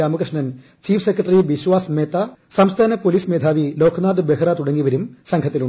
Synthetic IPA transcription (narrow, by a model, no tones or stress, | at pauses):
aːmɐkrɨʂnɐn | t͡ɕiːfʰɨsekːrɐʈriʋiɕʋaːsmeːt̪ːasɐmst̪ʰaːnɐpoliːsmeːd̪ʱaːʋilo̞ːkʰnaːd̪ɨbeɦɐrat̪uɽɐŋːiʋɐɾumsɐŋkʰɐt̪ːiluɳ